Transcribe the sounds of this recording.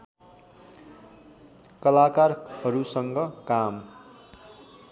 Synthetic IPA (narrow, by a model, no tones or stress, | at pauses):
kʌlakarhʌɾusʌŋɡʌkam